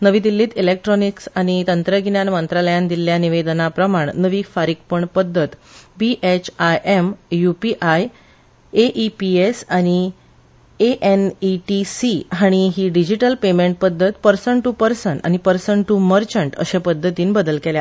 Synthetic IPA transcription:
nəʋiːd̪ilːiːt̪ilek̚ʈɾɔniksaɽ̃it̪ənt̪ɾəɡnjanmənt̪ɾaləjãnd̪ilːjaniʋed̪ənapɾəmaɳnəʋiːkfaɾik̚pəɳpəd̪ʱːət̪biʔet͡ɕʰajʔemjupiʔaj | eʔipiesaɽ̃i | eʔeniʈisiɦaɽ̃iɦiːɖid͡ʑiʈəlpemeɳʈ̚pəd̪ʱːət̪pəɾsəɳʈupəɾsəɳa̰ɽ̃ipəɾsəɳʈuməɾt͡ɕəɳʈə̰ɕẽpəd̪ʱːət̪iːnbəd̪əlkelja

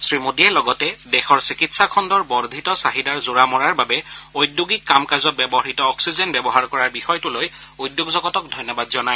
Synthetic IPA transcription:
sɹimodiɛlɔɡɔtɛdɛxɔɹsikitsakʰɔndɔɹbɔɹd̪ʱitɔsaɦidaɹzuɹamɔɹaɹbabɛojdjuɡikːamkazɔt̚bɛbɔɦitɔːksizɛnbɛbɔɦaɹkɔɹaɹbixɔjtʊloj | ujdjoɡzɔɡɔtɔk̚dʱɔjnːɔbadzɔnaj

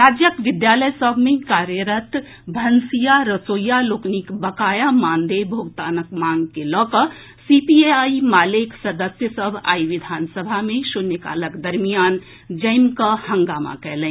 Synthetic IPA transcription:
ɾaːd͡ʒjəkʋɪd̪jaləjsəbʱmẽkaɾjəɾət̪ | bʱənsijaɾəsojːaloːknikbəkaːjamãːnd̪ebʱoɡt̪aːnəkmaŋɡkelɔːkə | sipieaimaːleksəd̪əsjəsəbʱa̰ːiʋid̪ʱansəbʱamẽsunjəka̰ːləkd̪əɾmijan | d͡ʒəɪmkəhə̃ŋɡaːma̰kɛɦlɛ̃

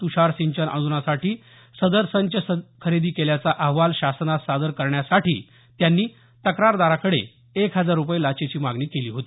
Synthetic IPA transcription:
t̪uɕaɾsiɲt͡ɕənʔã̰nd͡zunasaʈʰiː | səd̪əɾsənt͡ɕəəkʰəɾed̪iːkeljat͡saʔəɦʋalɕasənasad̪əɾkəɾɳjasaʈḭː | t̪janːiː | t̪əkɾaɾd̪aɾakəɽḛ | ekɦəd͡zaɾːupajlat͡ɕet͡ɕiːmaɡniːkeliːɦot̪iː

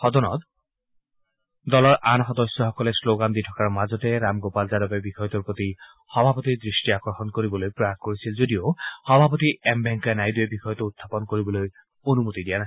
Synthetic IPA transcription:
xɔd̪ɔnɔ̰t̪ | dɔlɔɹʔanxɔd̪ɔsɔxɔkɔlɛsloɡand̪itʰɔkaɹmazɔtɛɹamɡopalzadɔbɛbixɔjɔt̪ɔɹpɹot̪i | xɔbʱapot̪idɹisʈiakɔɹxɔnkoɹibɔlojpɹɔakkoɹisilzodioxɔbʱapot̪iʔɛmbɛŋkanajduɛbixɔjɔt̪ɔut̪ʰːapɔnkoɹibɔloj | onumut̪idijana

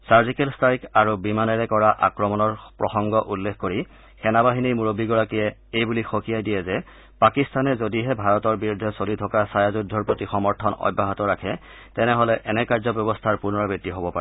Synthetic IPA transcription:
saɹzikɛlstʰaikaɹubimanɛɹɛkɔɹaʔa̰kɹɔmɔnɔɹpɹɔxɔŋɡɔʔulːekʰkoɹi | xɛnabaɦinimuɹobiɡɔɹakijɛejbulixokijajdijɛzɛ | pakistanɛzodiɦɛbʱaɹɔtɔɹbiɹudʱːɛsolitʰɔkasajazudʱːɔɹpotixɔmɔɹtʰɔnɔ̰jbʱːaɦɔtɔɹakʰɛ | tɛnɛɦɔlɛʔɛnɛkaɹzɔbjɔbɔstʰaɹpunɔɹɔbitːiɦobɔpaɛ

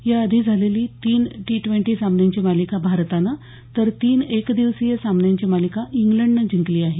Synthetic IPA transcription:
jaəd̪ʱiːd͡zʱaleliːt̪iːnʈiʈʋẽɳʈiːsambənjaɲt͡ɕiːmalikabʱaɾt̪ana | t̪əɾt̪iːnekd̪iʋsijəsamənjaɲt͡ɕimalikaʔiŋɡləɳɖnəd͡ʑiŋkliːaɦe

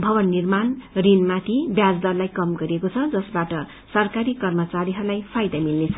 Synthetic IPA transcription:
bʱʌbʌnːirmanrinmat̪ʰibjad͡zd̪ʌrlajkʌmɡʌɾiekot͡sʰʌd͡zʌsbaʈʌ | sʌrkaɾikʌrmʌt͡saɾiɦʌrlajpʰajd̪amilnet͡sʰʌ

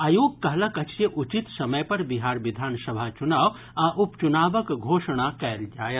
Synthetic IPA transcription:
aːjoːɡ̚kɐɦlɐkɐt͡ʃeʔut͡ʃit̪sɐmɐjpɐɾbiɦaːɾʋid̪ʱaːnsɐbʱat͡ʃunaːʋ | aʔupt͡ʃunaːbəkɡʱoːʃɳ̃akɛld͡ʒaːjɐ

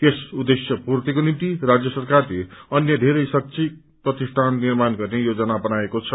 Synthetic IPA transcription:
kesud̪ːesjʌpuɾt̪ikonimt̪irad͡zjʌsʌrkarleʌnjʌd̪ʱeɾʌjsʌk̚t͡sʰi | prʌt̪isʈʰanːirmanɡʌrnejod͡zʌnabʌnaekot͡sʰʌ

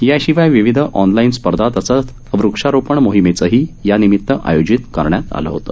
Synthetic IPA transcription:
jaɕiʋajʋiʋid̪ʱəʔɔnlainspəɾd̪ʱat̪əsət̪ | ʋɾukʂaɾopəɳmoɦimet͡səɦiːjanimit̪ːəʔa̰jod͡ʑit̪kəɾɳjat̪a̰lə̰ɦot̪ə

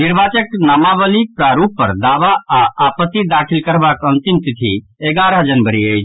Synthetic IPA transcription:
niɾbʱat͡ʃəknamabəlipɾaɾupːəɾd̪aːʋaaʔːpət̪ːid̪akʰilkəɾbakə̃nt̪imt̪it̪ʰḭ | eɡaɾəd͡ʒənbəɾiəjt͡ʃʰ

